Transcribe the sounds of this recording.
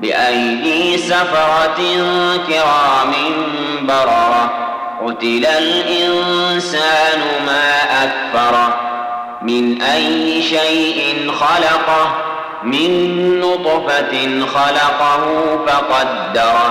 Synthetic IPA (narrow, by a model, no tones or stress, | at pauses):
bɪ̰ʔajːisafɑɾˤɑtkɪɾaːmɪn | bɑɾˤɑɾˤɑ | qʊt̪ɪlalʔɪnsaːnʊmaːʔakθɑɾˤ | mɪnʔajːɪʃajʔɪnxɑlɑqɑ | mɪnːʊt̪ˤfanxɑlɑqɑhʊːfɑqɑd̪ːɑɾˤ